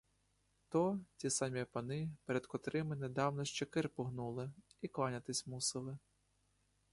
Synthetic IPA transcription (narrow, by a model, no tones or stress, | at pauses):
t̪ɔtʲisɑmʲipɐnɪpeɾɛd̪kɔt̪ɾɪmɪned̪ɑwnɔʃt͡ʃɛkɪrpɔɦnulˠɪiklˠɑnʲɐt̪ɪsʲmusɪlˠɪ